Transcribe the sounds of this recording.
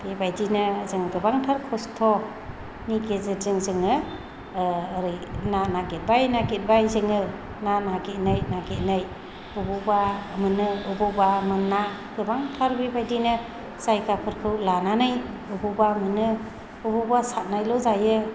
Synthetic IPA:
bebajdinɯzɯŋɡɯbaŋtʰaɾkʰɔstʰɔ | niɡetzɯtzɯŋzɯŋɯ | ɾɯjnanaɡet̚bajnaɡet̚bajzɯŋɯ | nanaɡet̚nɯjnaɡet̚nɯj | ububamɯnɯubɯbamɯnːa | ɡ̥ɯbaŋtʰaɾbebajdinɯ | z̥ajɡapʰɯɾkʰɯwlananɯj | ububamɯnɯ | ubɔbasat̚najlɔzajɯ

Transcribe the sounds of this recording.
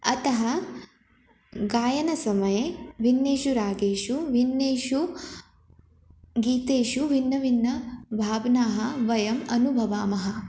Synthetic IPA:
ɐt̪ɐɦɐ | ɡaːjɐnɐsɐmɐjeʋinːeːʃuɾaːɡeːʃuʋinːeːʃu | ɡiːt̪eːʃuʋinːɐʋinːɐbʱaːbnaːɦɐ̆ʋɐjɐmɐnubʱɐʋaːmɐɦɐ̆

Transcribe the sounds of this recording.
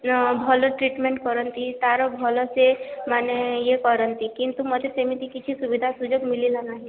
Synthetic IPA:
bʱɔlɔʈɾiʈmeɳʈkɔɾənt̪it̪aɾɔbʱɔlɔsemanejekɔɾənt̪ikint̪umɔd̪ʱesemit̪ikit͡ʃʰisuʋid̪ʱasud͡ʒoɡmililanaɦi

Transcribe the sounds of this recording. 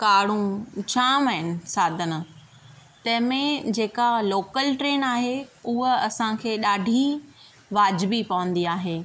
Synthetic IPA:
kaːɽ̤ũt͡ɕʰaːməɦɪnɪ̆saːd̪ʱənɪ̆ | t̪ɐ̃ɦɪ̃mẽd͡ʑeːkaloːkəlʈɾeːnaːɦeʊɦəɐsãkʰeːɗaːɖʱi | ʋaːd͡ʑbipɐʋə̃nd̪iaːɦeː

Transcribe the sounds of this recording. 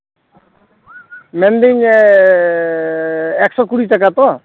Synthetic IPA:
mɛnd̪iɲ | ɛksɔkuɽitak̬at̪ɔ

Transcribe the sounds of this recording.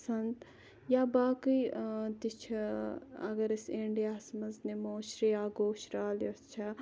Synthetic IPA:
sɐnt̪ | jaːbaːkit̪it͡ʃʰɐɐ̰ɡɐɾiseɳɖijaːsmɐznemoːʃɾijaːɡoːʃɾaːljost͡ʃʰɐ

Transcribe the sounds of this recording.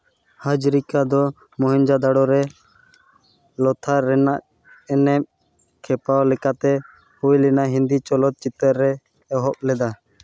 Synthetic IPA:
had͡ʒɾikad̪ɔ | mɔɦɛɲd͡ʒad̪aɽɔɾɛ | lɔt̪ʰaɾɛnaʔ | ɛnɛm̚ | kʰɛpawlɛkat̪ɛ | hujlinaʔɦind̪it͡ʃɔlɔt̪̚t͡ʃit̪əɾːɛ | ɛɦɔp̚lɛd̪a

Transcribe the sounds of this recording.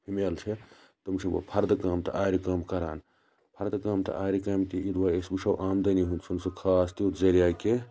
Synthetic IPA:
pʰimeːlt͡ʃʰe | t̪ɐmt͡ʃʰɐwɐ̰pʰɐɾd̪kaːmt̪ɐ̰ʔaːɾikɐːmkɐɾa̰ːn | pʰɐɾd̪kaːmt̪ɐ̰ʔaːɾikɐːmt̪iid̪waːesbuʂɐwʔaːmd̪ɐniɦunt͡sʰunsukʰaːst̪iut̪zɐɾijaːke

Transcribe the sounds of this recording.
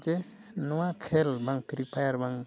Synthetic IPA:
d͡ʒe | nɔwakʰelbaŋp̪ʰiɾipʰajaɾbaŋ

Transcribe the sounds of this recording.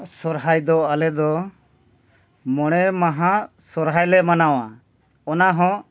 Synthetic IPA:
sɔɾɦajd̪ɔalɛd̪ɔ | mɔɽ̃ɛmaɦa | sɔɾɦajlɛmanawa | ɔnaɦɔ̃

